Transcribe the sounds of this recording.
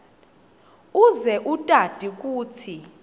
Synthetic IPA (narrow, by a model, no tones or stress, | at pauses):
uzɛʔutʼad̥ʱik̬ʼuːtʰi